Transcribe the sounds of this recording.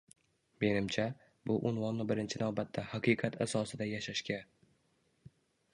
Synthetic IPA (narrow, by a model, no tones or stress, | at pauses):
me̞nɪmt͡ʃʰa | bʊʔʊnvɒnːɪbɪɾɪnt͡ʃʰɪnawbat̪ʰːahaqʰɨqʰɑt̪ʰasɒsɪd̪ajaʃaʃkʲa